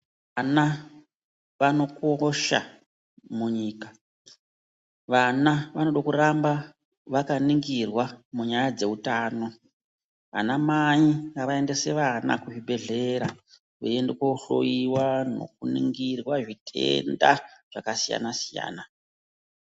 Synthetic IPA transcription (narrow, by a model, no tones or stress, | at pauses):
ana | ʋano̞koʃa̰ | muɲiːka | ʋanaʋanoɗokuɾamba | ʋakaniŋɡirwamuɲajad͡ze̞utaːno̞ | a̰namaɲiaʋae̞ndese̞ʋana̰kuʐibʱe̞ɮe̞ɾa | ʋeendekouɬo̞̰jiwano̞̰k̚unḭŋɡirwaʐitʰe̞̰nda̰ʐ̥akasija̰nasija̰ːna